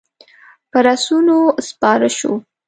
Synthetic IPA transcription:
pəɾasunospɑɾəʃo̰

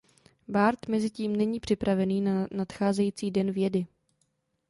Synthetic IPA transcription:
baɾt̪mɛzɪciːmnɛɲiːpr̝̥ɪpɾavɛniːnanat̪xaːzɛjiːt͡siːdɛnvjɛdɪ

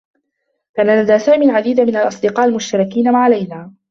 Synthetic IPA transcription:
kaːnalad̪aːsaːmiːʕad̪iːd̪amɪnalʔɑsˤd̪ɨqɑːʔalmʊʃt̪ɑɾˤɑkiːnamaʕalajnaː

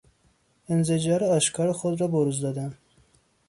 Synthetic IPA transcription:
enzed͡ʒɑːɾɒːʃkʰɑɾexod̪ɾɒːboɾuzd̪ɒd̪æn

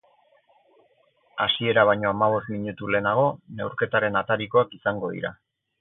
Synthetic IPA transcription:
asie̞ɾaβajɲo̞amaβ̞o̞st̪miɲut̪ule̞ːnaɣ̞o̞ne̞wɾke̞t̪aɾe̞nat̪aɾiko̞akisaŋɡo̞ð̞ḭɾa̰

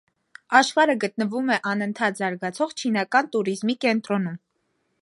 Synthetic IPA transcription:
ɑʃχɑɾəɡət̪̚nəvumɛʔɑnənt̪ʰɑt̪zɑɾɡɑt͡sʰɔʁt͡ʃʰinɑkɑnt̪uɾizmikɛnt̪ɾɔnum

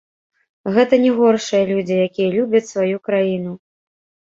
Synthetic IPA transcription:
ɣɛt̪ɐnʲɛɣɔrʂɨjɐlʲud͡zʲijakʲijɐlʲubʲɐt͡sʲsvajukɾajinu

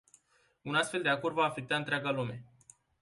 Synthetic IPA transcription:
unast̪fe̞ld̪eakorvaːfe̞k̚t̪aɨnt̪ɾaɡalume̞

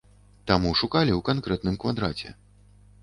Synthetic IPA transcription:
t̪amuʂukalʲiwkankɾɛt̪nɨmkvad̪ɾat͡sʲɛ̰

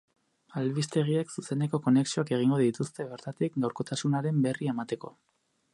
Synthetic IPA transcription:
alβist̪e̞ɣ̞ieksuse̞ne̞ko̞ko̞ne̞ksioake̞ɣ̞iŋɡo̞ðit̪ust̪e̞βe̞ɾt̪at̪ikɡawɾko̞t̪asunaɾe̞mbe̞rie̞mat̪e̞ko̞

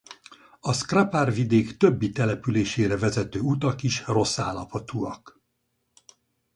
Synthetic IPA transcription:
ɒskraparvid̪eːkt̪ø̞bːit̪ɛlɛpyleːʃeːɾɛvɛzɛt̪øːut̪ɒkiʃro̞sːa̰ːlːɒpʰɒt̪uːɒk

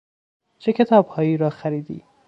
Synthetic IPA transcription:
t͡ʃʰecʰʲe̞t̪ʰɒːb̥hɒːjiːɾɒːxæɾiːd̪ḭː

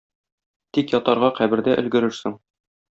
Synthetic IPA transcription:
t̪ikjɒt̪ɑɾʁɑqæbɘ̆ɾd̪æʔɘ̆lɡɘ̆ɾɘɾsɘŋ

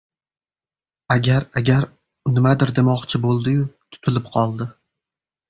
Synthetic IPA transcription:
aɡʲaɾaɡʲaɾ | nɪmad̪ɪɾd̪emɒqt͡ʃʰɪbolˠd̪ɪjʊt̪ʰʊ̥t̪ʰɪlɪpqʰɒlˠd̪ɪ

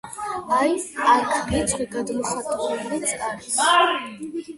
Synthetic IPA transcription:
ajakʰmit̪ʰχwiɡad̪mɔχat̪ʼuulɛbɾisʼkʼaɾi

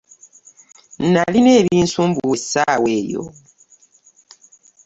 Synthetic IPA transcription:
n̩nalineːβiːnsumbuesaweːjo̰

